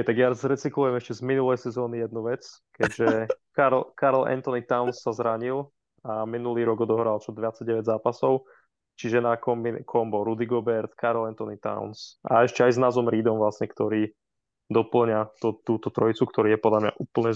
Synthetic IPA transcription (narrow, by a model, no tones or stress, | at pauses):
ɦɛjt̪aɡjazɾɛt͡siklujɛmɛʃcɛzminulɛjsɛzɔːnijɛd̪nuʋɛt͡skɛɟʒɛkaɾlkaɾlɛ̰nt̪ɔnit̪aʊnsːazɾaɲilˠ | aminuliːɾɔɡɔd̪ɔɦɾalt͡ʃɔd̪ʋɪjat͡saɟɛʋɛɟzaːpasɔʊ | t͡ʃiʒɛnakɔmbikʰɔmbɔɾud̪iɡɔbɛɾt̪kʰaɾlɛnt̪ɔnit̪a̰ʊnsa̰ɛʃcɛajznaːzɔmɾiːd̪ɔmʋlasɲɛkt̪ɔɾiː | d̪ɔpl̩ɲat̪ɔt̪uːt̪ɔt̪ɾɔit͡sukt̪ɔɾiːjɛpɔd̪lamɲa̰ʔuːpl̩ɲɛ